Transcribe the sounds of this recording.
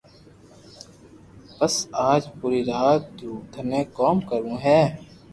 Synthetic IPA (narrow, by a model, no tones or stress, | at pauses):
pɐsaːd͡ʒpuːɾiɾaːt̪̚d̪uːt̪ʰəmẽːkɔːmkəɾũɦɛː